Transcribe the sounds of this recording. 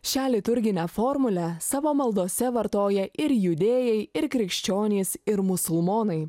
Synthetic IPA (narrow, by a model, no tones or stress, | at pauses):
ʃʲæːlʲiːt̪ʊɾʲɡʲɪnʲɛfɔːɾmʊlʲɛsɑːʋoːmɐlˠd̪oːsʲɛʋɐɾt̪oːjɛʔɪɾjʊd̪ʲeːjɛɪɪɾkɾʲɪkʃʲt͡ʃʲoːnʲiːsɪɾmʊsʊlˠmoːnɐɪ